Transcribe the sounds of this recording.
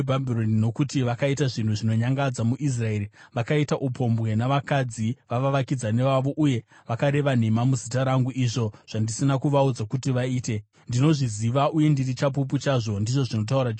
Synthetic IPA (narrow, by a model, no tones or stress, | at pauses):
bʱabʱironino̞kutiʋakaitaʐin̤uʐino̞ɲaŋɡad͡zamuʔis̬rae̞ɾiʋakaitaʔupʰo̞mbɣe̞naʋakad͡ziʋaʋaʋakid͡zane̞ʋaʋo̞ʔuje̞ | ʋakaɾe̞ʋan̤emamuzitaɾaŋɡuʔiʐo̞ʐ̥andisinakuʋaud͡zakutiʋaiːte̞ | ndino̞ʐiziʋaʔuje̞ndirit͡ʃap̬up̬ut͡ʃaːʐo̞ndiʐo̞ʐino̞t̬auɾad͡ʒ